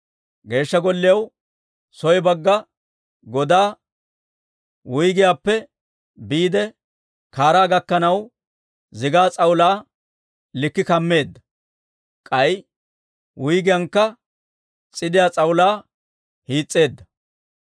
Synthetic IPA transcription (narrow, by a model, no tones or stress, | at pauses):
ɡe̞ːʃːɐɡɔlːɪjɐw | sɔjbɐɡːɐ | ɡɔd̪aː | wʊjɡɪjaːpːɛ | biːd̪ɛ | kaːɾaːɡɐkːɐnɐw | zɪɡaːt͡sʼɐwʊlaː | lɪkːɪkɐmːe̞ːd̪ːɐ̥ | kʼɐj | wʊjɡɪjɐŋkːɐ | t͡sʼɪd̪ɪjaːt͡sʼɐwʊlaː | hiːt͡sʼːe̞ːd̪ːɐ